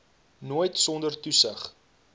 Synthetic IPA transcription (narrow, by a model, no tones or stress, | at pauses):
nuəjtsɔndərtusəχ